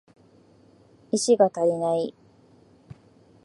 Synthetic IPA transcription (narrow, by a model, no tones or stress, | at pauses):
iɕiɡat̪aɾʲinai